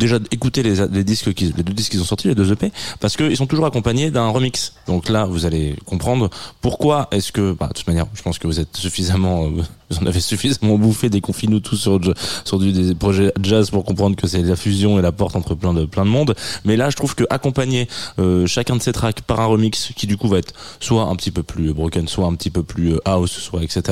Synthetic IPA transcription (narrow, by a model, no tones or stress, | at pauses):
d̪eʒaekut̪elezled̪iskkʲiled̪ød̪iskːilzɔ̃sɔʁt̪iled̪øzøpepaʁsə̥kəilsɔ̃t̪uʒuʁakɔ̃paɲed̪ɛ̃ʁəmiksd̪ɔ̃klavuzalekɔ̃pχɑ̃d̪ʁpuʁkwaɛsə̥kəba̰d̪ət̪ut̪manjɛ̰ʁʒəpɑ̃skəvuzɛt̪syfizamɑ̃øvuzɑ̃navesyfizamɑ̃bufed̪ekɔ̃finut̪ʰusːyʁsyʁd̪yd̪epχɔʒɛʒazpuʁkɔ̃pχɑ̃d̪ʁəkəsɛlafyzjɔ̃elapɔʁt̪ɑ̃t̪χəplɛ̃d̪əplɛ̃d̪əmɔ̃d̪mɛlaʒət̪χuv̥kəʔakɔ̃paɲeøʃakʲɛ̃d̪əset̪χakpaʁɛ̃ʁəmikskʲid̪ykuvaɛt̪χswaɛ̰̃pət̪ipøplybʁɔkanswaɛ̃pət̪ipøplyøʔawsswaɛkset̪eʁa